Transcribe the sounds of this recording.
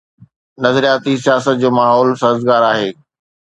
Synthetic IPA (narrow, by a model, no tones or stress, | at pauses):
nɐzɾijaːt̪isijaːsət̪̚d͡ʑoːmaːɦɔːlsɐɦzɡaːɾaːɦeː